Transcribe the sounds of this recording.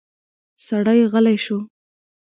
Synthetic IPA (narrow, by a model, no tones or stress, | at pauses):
saɽajɣəlajʃu